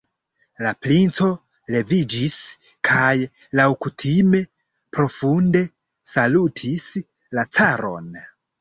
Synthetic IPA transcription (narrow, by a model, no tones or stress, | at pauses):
laplint͡so̞ | le̞vid͡ʒis | kʰaj | lawkutʰime̞ | pɾo̞funde̞ | salutʰis | lat͡saɾo̞̰n